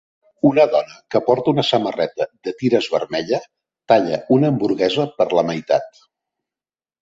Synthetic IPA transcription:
unəðɔnəkəpɔɾt̪əunəsəmərɛt̪əd̪ət̪iɾəzβərmɛʎə | t̪aʎəunəːmbuɾɣɛzəpəɾləməjt̪a̰t̪

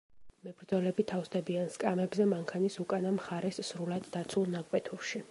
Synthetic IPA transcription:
mɛbɾd̪zɔlɛbit̪ʰafsd̪ɛbianskʼamɛbzɛmaŋkʰanisukʼanamχaɾɛsːɾulad̪ːat̪sʰulˠnakʼwɛt̪ʰuɾʃi

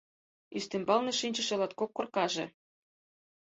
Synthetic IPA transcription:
yst̪ĕmbɑlnĕʃinʲt͡ɕə̆ʃĕlɑt̪kokːorkɑʒḛ̆

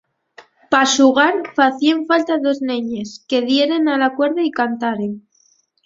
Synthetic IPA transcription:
pasuɣaɾfaθieɱfalt̪aðo̞zneɲe̞ske̞ð̞je̞ɾe̞nalakwe̞ɾðaikant̪aɾen

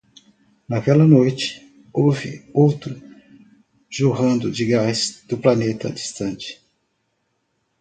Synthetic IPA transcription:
nɐkɛlɐnojt͡ʃɪ̥ | ovɪowt̪ɾʊ | ʒuɦɐ̃nd̪ʊd͡ʒɪɡasd̪̥ʊplɐnet̪ɐ̰d͡ʒist̪ɐ̃nt͡ʃɪ̥

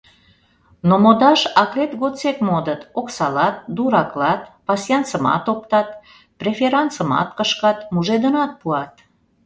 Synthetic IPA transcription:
nomod̪ɑʃɑklet̪ɣot͡sekmod̪ət̪oksɑlɑt̪̚d̪uɾɑklɑt̪pɑsjɑnt͡səmɑ̰t̪op̚t̪ɑt̪ | prefeɾɑnt͡səmɑ̰t̪kəʃkɑt̪muʒed̪ənɑt̪̚puɑt̪

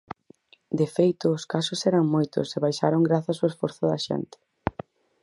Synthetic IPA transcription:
d̪efejt̪ʊːskasʊsɛɾɐŋmojt̪ʊ̰seβajʃaɾoŋɡɾaθasoesfɔɾθʊðɐ̰ʃɛ̰nt̪ɪ̥

